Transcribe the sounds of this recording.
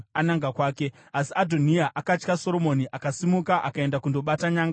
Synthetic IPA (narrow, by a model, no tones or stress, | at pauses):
anaŋɡakwaːke̞ | asiadʱo̞niaʔakat͡ʃkaso̞ɾo̞mo̞niʔakasimukaʔa̰kae̞ndakundo̞ɓataɲaːŋɡa